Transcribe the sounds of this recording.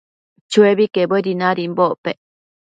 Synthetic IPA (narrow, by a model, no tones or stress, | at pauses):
t͡ʃueβikebeɾinaɾimboʔpe